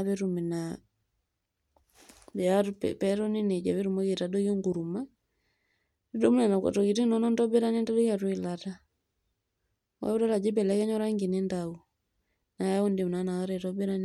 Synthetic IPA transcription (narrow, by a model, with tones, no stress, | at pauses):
aβɛ˦ɾu˨mi˨na | bɛ˨atpɛɾɔ˦ni˦ne˨d͡ʒa˨βe˦ɾu˨ma˦ke˨ta˨do˦jo˦ŋɡu˨ɾu˨ma˦ | i˦do˦mu˦na˨na˨kɔ̰˨tɔ˨ki˨ti˦nɔ˦nɔ˦ntɔ˦be˦ɾa˦ne˦nta˦do˦ka˨twi˨lata˦ | wa̰˦o˦da˦la˨d͡ʒɪ˦bɛ˨lɛ˦kɛ˦ɲɔ˦ɾa˦ŋɡi˨ne˦ndau˨ | na˨ja˦ɔ˦ndi˨m˨na˨na˨kaɾɛtɔbe˦ɾa˦n